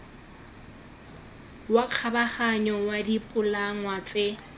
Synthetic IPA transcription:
waq͡χʰabaχaɲɔwadipʼʊlaŋwat͡sʼɪ

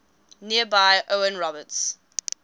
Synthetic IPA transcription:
niəbaɪʔoʊə̃nɹɔbəts

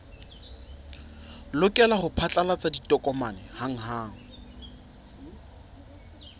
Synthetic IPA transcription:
lʊkʼɛlaχʊpʰat͡ɬʼalat͡sʼaditʼɔkʼɔmanɛhaŋ̩ɦaːŋ̩

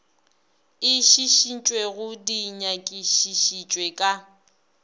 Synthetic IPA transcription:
ɪʃiʃint͡ʃʼweɣʊdiɲakʼɪʃiʃit͡ʃʼwekʼa

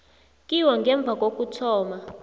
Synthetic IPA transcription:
kʼiwaŋɡɛɱb̪vʱak̬ʼokʼutʰɔːma

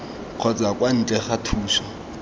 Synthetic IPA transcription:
q͡χʰɔt͡sʼakʼwan̩t͡ɬʼɛχatʰuːʃɔ

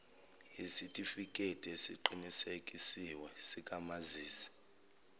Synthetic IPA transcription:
jisitʼifikʼetʼiesiǃinisekʼisiwɛsikʼamaziːsi̥

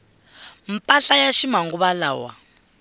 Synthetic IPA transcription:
m̩pʼaɬajaʃimaŋɡuβala̰ːwa̰

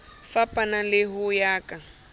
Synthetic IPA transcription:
fapʼanalɪɦʊjaːkʼa

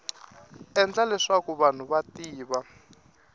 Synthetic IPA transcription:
ɛnd͡ɮalɛʂakuβan̤uβatiːβa

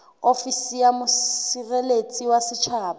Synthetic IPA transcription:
ofisijamʊirelet͡sʼiwasɪt͡ʃʰaːba

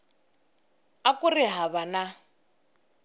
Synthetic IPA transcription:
akʼurɪɦaβana

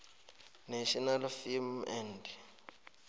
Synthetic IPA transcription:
naʃɔnalfilmɛnd

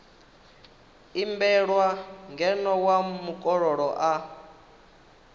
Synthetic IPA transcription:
imbɛɺwaŋɡɛnɔwamukʼɔɺɔɺɔʔa

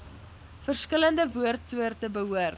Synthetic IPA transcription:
fərskələndəvuərtsuərtəbəɦuər

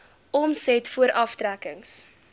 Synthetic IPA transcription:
ɔmsɛtfuəɾʔɐftɾækəŋs

